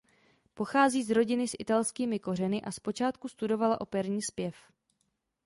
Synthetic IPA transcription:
po̞xaːziːzɾo̞ɟɪnɪsʔɪt̪alskiːmɪko̞rɛnɪʔaspo̞t͡ʃaːt̪kust̪udo̞valaʔo̞pɛɾɲiːspjɛf

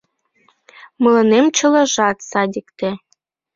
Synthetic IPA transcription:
mɤ̆lˠɤ̆nemt͡ɕɤ̆lɤ̆ʒɑt̪sɑd̪ʲikt̪ĕ

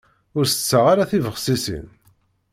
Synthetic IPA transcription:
ʊɾθə̥t͡sːəʁaɾaθivəʁsisḭn

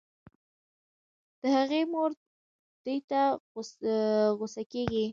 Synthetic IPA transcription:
d̪̥əhaɣemoɾ | d̪̥əjt̪a | ɣosakeɡi

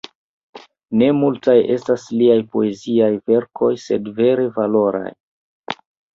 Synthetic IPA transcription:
ne̞multaje̞stasliajpo̞e̞ziajve̞ɾkʰo̞jse̞dve̞ɾe̞valo̞ɾa̰j

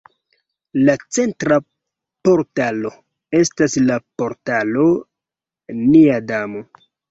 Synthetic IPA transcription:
lat͡se̞ntɾa | po̞ɾtalo̞ | e̞staslapo̞ɾtalo̞ | niadamo̞

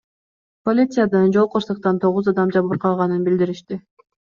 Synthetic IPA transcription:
po̞lʲit̪sɨjad̪ɯnd͡ʒo̞lˠqoɾsɯq̚t̪ɑnt̪ʰo̞ʁuzɑd̪ɑmd͡ʒɑβɯɾqʰɑlˠʁɑnɯnbild̪iɾiʃt̪i

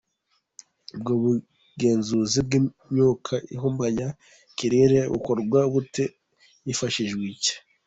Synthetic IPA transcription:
ub̚ɡoβu | ɡe̞ːnzuzib̚ɡimɲukʰaiɦumbaja | kiɾeɾeβṵkoɾɡwaβute | jifaʃiʒɡwice̥

